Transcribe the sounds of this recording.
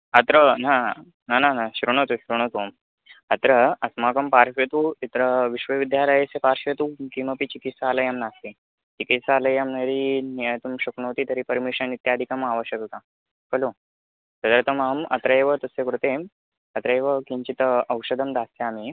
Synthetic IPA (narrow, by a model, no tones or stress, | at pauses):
ɐt̪ɾəna | nananaɕɾuɳ̃ət̪oɕɾuɳ̃ət̪oːm | ɐt̪ɾəɐsmakəmpaɾɕet̪uit̪ɾəʋiɕʋəʋid̪jaɾajesepaɾɕet̪ukiməpit͡ɕikit̪saːləjamnast̪e | t͡ɕikit̪saːləjamnəɾiniəjt̪umɕəkɳ̃oɦt̪iːt̪əɾiːpəɾmiɕənit̪jad̪ʱikamaʋəɕjəkək̪a | kəlo | t̪ɐd̪əɾt̪əmamɐ̰t̪ɾəeʋət̪ɐsekɾut̪em | ɐt̪ɾəeʋəkiɲt͡ɕit̪ɐwʂəd̪əmd̪ast̪eami